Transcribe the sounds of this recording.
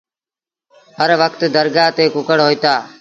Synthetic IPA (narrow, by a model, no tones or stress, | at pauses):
ɦəɾʋəkt̪d̪əɾɡaːɦt̪eːkʊkəɽɦoːit̪aː